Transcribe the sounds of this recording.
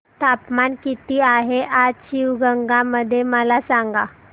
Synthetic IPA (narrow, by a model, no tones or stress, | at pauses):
t̪apmankit̪iːaɦeʔaɕiwɡəŋɡaməd̪ʱːjeməlasaŋɡa